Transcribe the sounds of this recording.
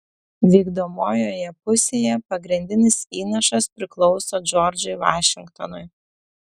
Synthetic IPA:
ʋʲiːɡd̪oːmoːjoːjɛpʊsʲeːjɛpɐɡɾʲɪnʲd̪ʲɪnʲɪsiːnɐʃɐspʲɾʲɪklˠɔʊsoːd͡ʒɔɾʲd͡ʒʲʊɪʋɑːʃʲɪŋkt̪ɔnʊɪ

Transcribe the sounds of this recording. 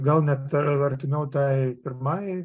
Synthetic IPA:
ɡɐlˠnʲɛt̪ɐɾʲt̪ʲɪmʲɛʊt̪ɐɪpʲɪɾmɑj

